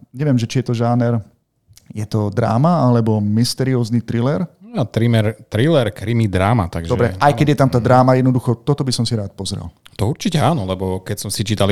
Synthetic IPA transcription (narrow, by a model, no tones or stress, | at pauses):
ɲɛʋɪɛmʒɛt͡ʃijɛt̪ɔʒaːnɛɾ | jɛt̪ɔd̪ɾa̰ːmaalɛbɔmist̪ɛɾiɔːznit̪ɾilɛɾat̪ɾimɛɾt̪ɾilɛɾkɾimid̪ɾaːma̰t̪aɡʒd̪ɔbɾɛʔajkɛɟjɛt̪amt̪aːd̪ɾaːmajɛd̪nɔd̪uxɔt̪ɔt̪ɔbisɔmsiɾaːt̪̚pɔzɾɛ̰lt̪ɔuɾt͡ʃicɛaːnɔlɛbɔkɛcsɔmsit͡ʃiːt̪al